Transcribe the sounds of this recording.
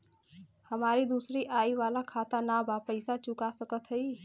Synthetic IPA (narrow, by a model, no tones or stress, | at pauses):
həmaɾid̪usɾiʔaiʋalakʰat̪anabapəɪsat͡ʃukasəkət̪ɦəj